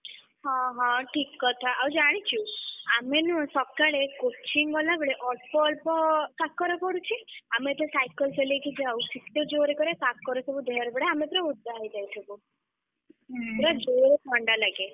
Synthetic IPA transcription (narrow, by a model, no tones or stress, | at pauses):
ɦɔ̃ɦɔ̃ʈʰikːɔt̪ʰaawd͡ʒaɽ̃it͡ʃʰuamenusɔkːaɭekot͡ʃiŋɡɔlabeɭeʔɔʈpɔlpɔkakːɔɾɔpɔɽut͡ʃʰiamet̪esajkəlseliekʰid͡ʒeawsit̪ːed͡ʒoɾekɔɾekakːɔɾɔt̪ʰɔbud̪ʱeɾbɽeamet̪ɾɔud̪ːaid͡ʒajtʰɔku | t̪ɾɔd͡ʒoɾepʰɔɳɖalaɡe